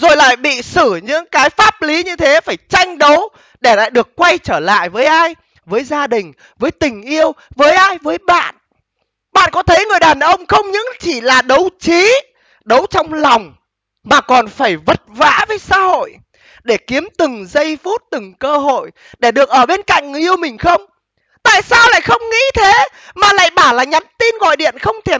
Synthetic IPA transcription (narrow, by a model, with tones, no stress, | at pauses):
zo˨˩jla̰ː˧˨jɓḭ˧˨sɨ˧˩ɲɨ̰˧˥ŋkaː˨˦jfaː˦˥p̚li˨˦ɲɨ˧t̪ʰe˨˦faː˧˩jt͡ɕa˧jŋ̟ɗə˨˦w | ɗe˧˩la̰ː˧˨jɗɨ˨˩əkːwa˧jt͡ɕəː˧˩la̰ː˧˨jvəː˨˦jʔaː˧j | vəː˨˦jzaː˧ɗï˨˩ŋ̟ | vəː˨˦jt̪ï˨˩ŋ̟ʔi˧əwvəː˨˦jʔaː˧jvəː˨˦jɓa̰ː˧˨n | ɓa̰ː˧˨nkɔ˨˦t̪ʰə˨˦jŋɨ˨˩əjɗaː˨˩nʔə˧wŋ͡mxə˧wŋ͡mɲɨ̰˧˥ŋt͡ɕi˧˩laː˨˩ɗə˨˦wt͡ɕi˨˦ | ɗə˨˦wt͡ɕɔ˧wŋ͡mlɔ˨˩wŋ͡m | maː˨˩kɔ˨˩nfaː˧˩jvə˨˩t̚va̰ː˧˥vəː˨˦jsa̰ː˧˥ho̰˧˨j | ɗe˧˩ki˨˦əmt̪ɨ˨˩ŋzə˧jfu˦˥t̚t̪ɨ˨˩ŋkəː˧ɦo̰˧˨j | ɗe˧˩ɗɨ˨˩ək̚ʔəː˧˩ɓe˧nka̰˧˨ŋ˨ʔi˧əwmï˨˩ŋ̟xə˧wŋ͡m | t̪a̰ː˧˨jsaː˧wla̰ː˧˨jxə˧wŋ͡mŋḭ˧˥t̪ʰe˨˦ | maː˨˩la̰ː˧˨jɓaː˧˩laː˨˩ɲa˨˦mt̪i˧nɣɔ̰˧˨jɗḭ˧˨ənxə˧wŋ͡mt̪ʰe˧˩